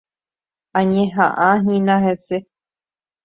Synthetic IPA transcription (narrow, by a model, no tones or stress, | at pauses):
ãɲẽɦã̰ʔãɦĩnãɦese